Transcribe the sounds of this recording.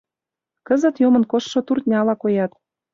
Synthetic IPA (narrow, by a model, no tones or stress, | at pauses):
kəzə̆t̪jomə̆nkoʃːŏt̪urt̪ʲnʲɑlɑkojɑt̪